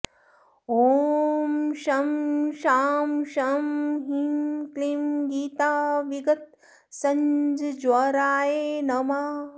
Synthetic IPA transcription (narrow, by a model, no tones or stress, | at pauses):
oːmʃɐmʃaːmʃɐmɦimklimɡiːt̪aːʋiɡɐt̪̚ | sɐɲd͡ʒd͡ʒwɐɾaːjeːnɐmaː